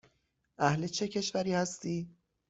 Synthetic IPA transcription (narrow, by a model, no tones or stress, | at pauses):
ʔæhlet͡ʃʰe̞cʰe̞ʃvæɾiːhæst̪iː